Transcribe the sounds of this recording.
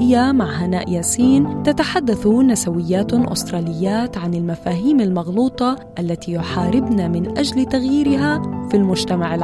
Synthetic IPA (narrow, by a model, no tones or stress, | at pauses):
ɪjːamaʕɦanaːʔjaːsiːnt̪at̪aħad̪ːaθunasawɪjːaːt̪ʔʊ̰st̪ɾˤɑːlɪjːaːt̪ʕanɪlmafaːɦiːmalmɑɣluːt̪ˤɑʔalːat̪ijʊħaːɾɪbnamɪnʔad͡ʒlt̪aɣjiːɾɪɦafilmʊd͡ʒt̪amaʕɪl